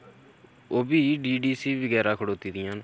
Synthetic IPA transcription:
oːbiːɖiːɖiːsiːbəɡɛːɾaːkʰəɽoːt̪iːd̪ɪjãːn

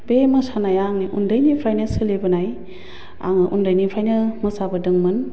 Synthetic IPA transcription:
bemɯsanajaŋniʔundɯjnipʰɾajnɯsɯlebɯnaj | a̰ŋɯʔundəjnipʰɾajnɯmɯsabɯdɯŋmɯn

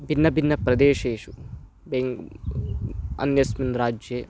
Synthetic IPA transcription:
bʱinːɐbʱinːɐpɾɐd̪eːʃeːʃu | beŋ | ɐ̰njɐsminɾaːd͡ʒjeː

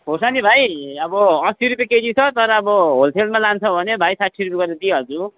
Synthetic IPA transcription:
ɦosanibʱajʌbʌʌsiɾupeked͡zit͡sʰʌt̪ʌɾʌːbʌɦolpʰelmalant͡sʰʌbʱʌnebʱajsaʈsʰiɾupiɡʌrd̪et̪iɦʌrd͡zu

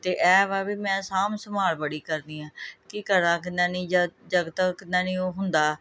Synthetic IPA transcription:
t̪eːʔɛːʋaːbiːmɛ̃ːsaːmsəmaːlbəɽiːkəɾd̪iːãːkikəɾãːkɪnãːnĩːd͡ʒd͡ʒəɡət̪ãːkɪnːãːnĩːoːɦʊnd̪aː

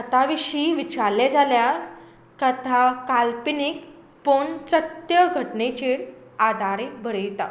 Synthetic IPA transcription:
ət̪aʋiɕiʋit͡ɕaled͡zalja | kət̪ʰakalpinik | pont͡səʈjəɡʱəʈnet͡ɕiːɾ | ad̪ʱaɾibʱəɾəjt̪a

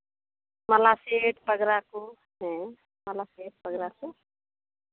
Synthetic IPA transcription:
məlaseʈpəɡɾako | ɦẽ | məlaseʈ̚pəɡɾako

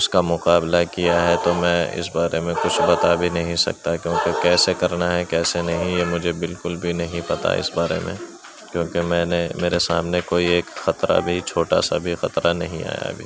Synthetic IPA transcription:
ʊskamʊqaːblakijaɦɛt̪omɛ̃ːɪ̰s̬baːɾemẽkʊt͡ʃʰbɐt̪abʱinɐɦĩsɐ̰k̚t̪akjõːkekɛːsekɐɾnaɦɛkɛːsenɐɦĩjemʊd͡ʒʱebɪlkʊlbʱinɐɦĩpɐt̪a̰ɪ̰sbaːɾḛmḛ̃ | kjõːkemɛ̃ːnemeːɾesa̰ːmnekoːieːkxɐt̪ɾa̰bʱit͡ʃʰoːʈa̰sa̰bʱixɐt̪ɾanɐɦĩa̰ːja̰bʱḭː

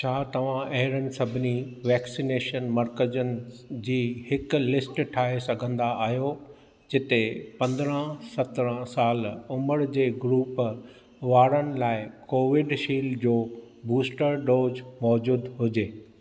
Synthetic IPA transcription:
t͡ɕʰaːt̪ɐʋ̤ãʔeɦɪɾənɪ̆sɐbʱɪniʋɛːksineːʃənmɐɾkəd͡ʑənɪ̆d͡ʑiːɦɪkʊ̆lɪsʈʈʰaːɦesɐɡʱə̃nd̪aʔaːɦjo | d͡ʑɪt̪epɐ̃nd̪ɾə̃sɐt̪ɾə̃saːlʊməɾd͡ʑeːɡɾuːp | ʋaːɾənɪ̆laːɪkoːʋɪɖʃiːld͡ʑoː | buːsʈəɾɖoːzmɔːd͡ʑuːd̪ɦʊd͡ʑeː

